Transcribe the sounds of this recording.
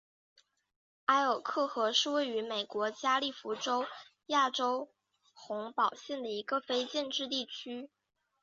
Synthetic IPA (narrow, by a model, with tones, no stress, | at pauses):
a˥ɪə˨˩ʊkʰɤ˥˩xɤ˧˥ʂɻ̩˥˧we˥˩ɪy˧˥me˨˩ɪkwɔ˧˥t͡ɕja˥li˥˩fu˧˥ʈ͡ʂo˥ʊ | ja˥˩ʈ͡ʂo˥ʊ | xʊ˧˥ŋpɑ˨˩ʊɕjɛ˥˩nd̪ə˩i˧˥ɡə˧fe˥ɪt͡ɕjɛ˥˧nʈ͡ʂɻ̩˥˧t̪̬i˥˩t͡ɕʰy˥